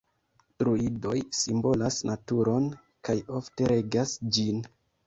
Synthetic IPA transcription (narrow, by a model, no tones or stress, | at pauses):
tɾuido̞jsimbo̞lasnatuɾo̞n | kajo̞fte̞ɾe̞ɡasd͡ʒin